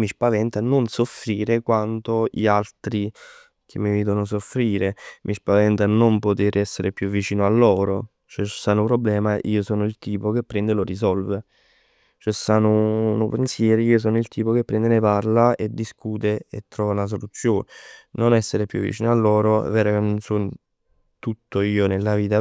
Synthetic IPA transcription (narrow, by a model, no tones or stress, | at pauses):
mispavɛnt̪anonsofɾiːɾekwant̪oʎialt̪ɾi | k̟ʰemːiviːd̪onos̬ofɾiːɾemʔispavɛnt̪anompot̪eːɾɛsːeɾepjuvːit͡ʃiːnoalːɔːɾo | t͡ʃɛsːaːnopɾoblɛːmaʔḭːosɔːnoilt̪iːpok̟epːɾɛnd̪elorisɔlve | t͡ʃɛsːaːnonopensjɛːɾiiːos̬ɔːnoilt̪iːpok̟epːɾɛnd̪eneparlaed̪ːiskuːt̪eḛt̪ːɾɔːvanas̬olut̪sːjoːnenonɛsːeɾepjṵvːḭt͡ʃiːnoalːɔːɾo̰vɛːɾok̟enːonson | t̪ut̪ːoiːonelːaviːt̪a